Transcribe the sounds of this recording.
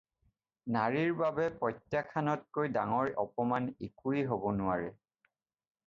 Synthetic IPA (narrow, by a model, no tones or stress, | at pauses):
naɹiɹbabɛpɔjtːjakʰanɔt̚kojdaŋɔɹɔpɔmanekuiɦobɔnʊaɹɛ